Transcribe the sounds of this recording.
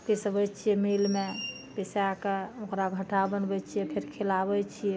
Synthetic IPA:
kesəbət͡ʃʰijɛmelme | pesakeokɾaɡʱəʈabənbɛt͡ʃʰijɛpʰeɾkʰelabɛt͡ʃʰijɛ

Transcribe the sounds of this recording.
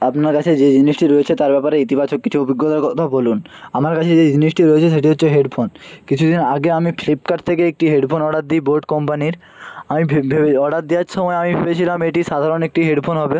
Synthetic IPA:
apnaɾkat͡ɕʰed͡ʑed͡ʑiniʃʈiɾɔet͡ɕʰet̪aɾbɛpaɾeit̪ibat͡ɕokːit͡ɕʰuobiɡːot̪aɾkɔt̪ʰabolunamaɾkat͡ɕʰed͡ʑed͡ʑiniʃʈiɾɔjet͡ɕʰeʃeʈiɦotːɕʰeɦeɖpʰonkit͡ɕʰud̪inaɡeamiflip̚kaɖt̪ʰekeek̚ʈiɦeɖpʰonɔɽat̪̚d̪iboɾɖkɔmpaniɾ | amibʱebʱebeɔɽat̪̚d̪ijaɾʃɔmɔeamibʰebet͡ɕʰilameʈiʃad̪ʱaɾonek̚ʈiɦeɖpʰonɦɔbe

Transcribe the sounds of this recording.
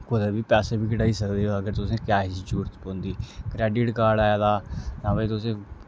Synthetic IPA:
kod̪abʱiːpɛːsebʱiːkəʈaːiːsəkd̪eːoəɡəɾt̪ʊsẽːkjaːd͡ʒid͡ʒuːɾt̪põːnd̪iːkɾɛːɖɪʈkaːɾɖaːjaːd̪aːt̪ãːbəiːt̪ʊsẽː

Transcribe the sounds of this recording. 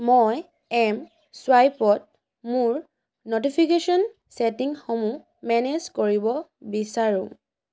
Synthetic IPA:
moj | ɛm | swajpɔt̚ | muɹ | notipʰikesɔn | setiŋxɔmũ | mɛnezkoɹibɔbisaɹũ

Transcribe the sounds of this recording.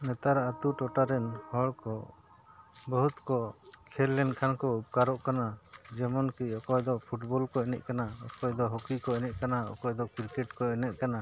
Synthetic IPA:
nɛt̪aɾat̪uʈɔʈaɾɛnhɔɭkɔ | bɔɦut̪kɔkʰɛlːɛnkʰankɔup̚kaɾɔʔkanad͡ʒɛmɔnkiɔkɔjd̪ɔpʰuʈbɔlkɔɛnɛ̰ʔ̪̚kanaɔkɔjd̪ɔɦɔkikɔɛnɛt̪̚kanaɔ̰kɔjd̪ɔkiɾkɛʈkɔɛnɛt̪̚ˀkana

